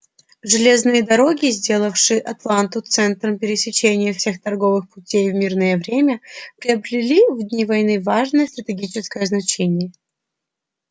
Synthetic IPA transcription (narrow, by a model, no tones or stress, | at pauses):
ʐɨlʲe̞znɨjəd̪ɐɾo̞ɡʲɪzʲdʲe̞lˠəfʂɨjʔɐt̪lˠant̪ʊt̪sɛnt̪ɾəmpʲɪɾʲɪsʲɪt͡ɕenʲɪjəfsʲe̞xt̪ɐrɡo̞vɨxpʊtʲejvmʲirnəjəvɾʲemʲəpɾʲɪɐbɾʲɪlʲivd̪ʲnʲivɐjnɨvaʐnəjəst̪ɾət̪ʲɪɡʲit͡ɕɪskəjəznɐt͡ɕenʲɪjə